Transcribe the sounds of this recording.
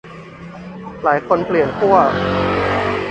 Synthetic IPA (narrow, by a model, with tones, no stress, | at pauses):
laː˩˦jkʰo˧npʰli˨˩ənkʰu˥˩ɐ